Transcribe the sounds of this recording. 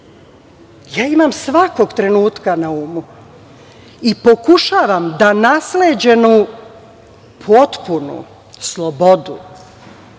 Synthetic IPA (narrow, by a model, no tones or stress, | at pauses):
jaːimamsʋako̞ɡt̪ɾe̞nuːt̪kanauːmu | ipo̞kuʃaːʋamd̪anasled͡ʑe̞nu | pʰo̞t̪punṵ | slˠobo̞d̪ṵ